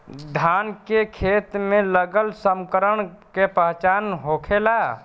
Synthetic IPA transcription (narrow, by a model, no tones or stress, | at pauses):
d̪ʱaːnkekʰeːt̪mẽləɡəlsəmkəɾəɳ̃kepəɦt͡ʃaːnɦokʰela